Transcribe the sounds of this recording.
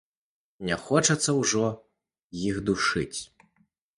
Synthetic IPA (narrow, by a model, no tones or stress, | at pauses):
nʲɛxɔt͡ʂɐt̪sːɐwʐɔ | jixd̪uʂɨt͡sʲ